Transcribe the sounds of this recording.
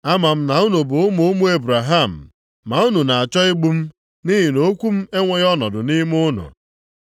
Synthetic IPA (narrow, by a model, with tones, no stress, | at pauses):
a˦ma˨m̩˦na˨u˦nu˨bʊ˨ʊ˦mu˦ʊ˦mu˦e˦bɾa˨ɦa˦˨m̩ː˨ | a˨u˦nu˨na˨a˨t͡ʃɔ˦ɪ˦ɡ͡bu˦m̩˦ | ni˦ɦi˨no˨˦kʷu˦m̩˦e˦ŋʷe˦ɣɔ˦nɔ˨dʊ˨ni˦m˦ʊ˦nʊ̰˨